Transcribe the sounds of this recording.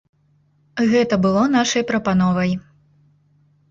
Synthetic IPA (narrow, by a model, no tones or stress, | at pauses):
ɣɛt̪ɐbɨlˠɔn̪aʂɐjpɾɐpanɔvɐj